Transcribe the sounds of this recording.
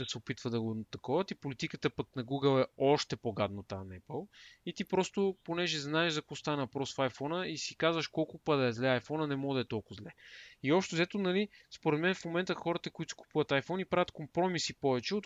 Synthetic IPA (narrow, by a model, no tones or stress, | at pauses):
əsɛʊpit̪vəd̪ɐɡʊnt̪ɐkɔvɐt̪ipolit̪ikət̪əpəknɐɡuɡəlˠɛɔʃt̪ɛpoɡad̪nəot̪anɛpəlˠit̪ipɾɔst̪ʊponɛʒɛznaɛʒzɐkɔst̪anəpɾɔsfajfɔnəisikazvəʃkɔlˠkʊpəd̪ɐɛzlɛajfɔnənɛmɔɡd̪ɐɛt̪ɔlˠkʊzlɛiɔpʃt̪ɛzɛt̪onɐlispoɾɛt̪mɛnfmomɛnt̪əxɔɾət̪əkoit̪si̥ku̥puvɐt̪ajfɔnipɾavʲət̪kompɾɔmisipɔvɛt͡ʃɛot̪